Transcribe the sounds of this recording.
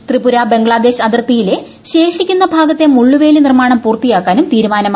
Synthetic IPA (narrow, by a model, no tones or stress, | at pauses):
t̪ribuɾabe̞ŋɡɭaːd̪e̞ːɕɐd̪ɐrt̪ːijile̞ | ɕe̞ːʂikʲːunːɐbʱaːɡɐt̪ːe̞muɭːuʋe̞ːlinirmaːɳɐmpuːrt̪ijaːkːaːnumt̪iːɾumaːnɐma